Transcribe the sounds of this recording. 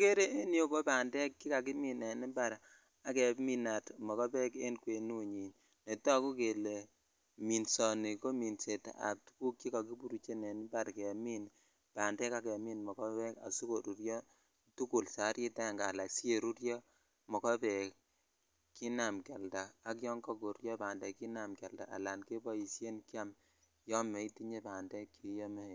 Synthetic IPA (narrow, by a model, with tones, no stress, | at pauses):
ke˦ɾe˦ʔe˦njo˦ko˦ba˨ndɛ˦kːi˦ka˨kɪ˦mi˨nɛ˨ni˦ba˦ɾ | a˨kɛ˨mi˦na˨tmɔ˨kɔ˦bɛ˦ke˦nkwe˨nu˦ɲi˨ɲ | ne˨tɔ˦ku˦ke˨le˨ | mi˨nsɔ˨ni˨ko˦mi˨nse˨ta̰˨p̚tu̥˦ku˦kːi˦ka˨ki˦bu˨ɾu˦t͡ʃe˦nɛ˨nɪ˦ba˨ɾkɛ˨mi˦n | pa˨ndɛ˦ka˦kɛ˨mi˦nmɔ˨kɔ˦bɛ˦ka̰˨su˦ko˨ɾu˨ɾjɔ˦ | tu˦ku˨lsa˨˦ɾji˦ta˦˨ŋɡa˨la˨ksi˦e˨ɾu˦ɾjɔ˦ | mɔ˨kɔ˦bɛ˨k | ki˦na˨mkɛ˨lda˨a˦kjɔ˦ŋkɔ˦ɡo˨ɾjɔ˦ba˨ndɛ˨ki˦na˨mkɛ˨lda̰˨ʔa̰˨la˨nke˦bɔ˦i˨sje˦nkja˦m | jɔ˦mːe˨i˦ti˦ɲe˦ba˨ndɛ˦kːi˨˦jɔ˦me˦he˨